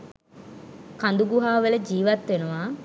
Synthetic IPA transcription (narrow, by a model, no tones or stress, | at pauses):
kand̪uɡuɦaːʋələd͡ʒiːʋat̪ʋenuʋaː